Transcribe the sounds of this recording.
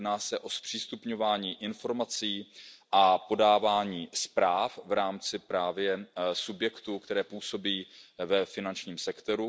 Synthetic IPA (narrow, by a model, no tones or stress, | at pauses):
dnaːsɛʔo̞spr̥iːst̪upɲo̞vaːɲiːʔɪnfo̞ɾmat͡siːʔapo̞daːvaːɲiːspɾaːfvɾaːmt͡sɪpɾaːvjɛsubjɛkt̪ukt̪ɛɾɛːpuːso̞biːvɛfɪnant͡ʃɲiːmsɛkt̪o̞ɾu